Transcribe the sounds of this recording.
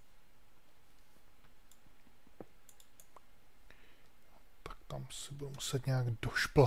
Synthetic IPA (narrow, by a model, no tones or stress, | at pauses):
t̪ḁkt̪amsɛbudumusɛt̪ɲɛaɡdoʃpl